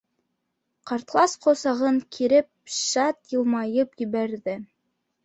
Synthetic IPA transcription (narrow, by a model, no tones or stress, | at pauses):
qɑɾt̪lˠɑsqŏsɑʁɤɴkʰiɾɘp̚ʃɑt̪jɤ̆lˠmɑjɤpjɘ̆βæɾðɘ